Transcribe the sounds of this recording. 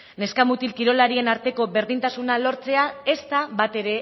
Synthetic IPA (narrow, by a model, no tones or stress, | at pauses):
ne̞skamut̪ilkiɾo̞laɾie̞naɾt̪e̞ko̞be̞ɾðint̪asunalo̞ɾt͡se̞ae̞st̪aβat̪e̞ɾe̞